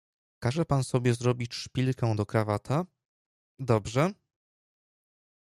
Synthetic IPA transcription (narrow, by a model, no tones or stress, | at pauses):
kaʐɛpansɔbʲjɛzɾɔbʲit͡ɕʂpʲilkɛw̃d̪ɔkɾavat̪ʰa | d̪ɔbʐɛ